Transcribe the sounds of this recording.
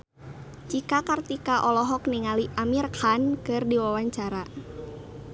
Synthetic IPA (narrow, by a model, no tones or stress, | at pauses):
t͡ʃikakart̪ikaʔɔlɔɦɔk̚niŋaliʔamirkʰankɨrdiwawaɲt͡ʃaɾa